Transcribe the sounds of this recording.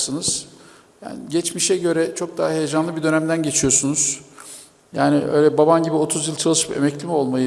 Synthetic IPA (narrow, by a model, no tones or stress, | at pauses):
sɯnɯz̥ | ja̰ːniɟɛt͡ʃmiʃɛɟø̞ɾɛt͡ʃʰo̞k̚d̪aːaɦe̞jed͡ʒanlˠɯbid̪ø̞næmd̪ænɟe̞t͡ʃʰijo̞sunuz̥ | jaːnɪʔø̰jlʲɛbabamɟibio̞t̪ʰuzjɯlˠt͡ʃʰalˠɯʃɯpe̞̰mɛclʲimo̞lˠmajɯ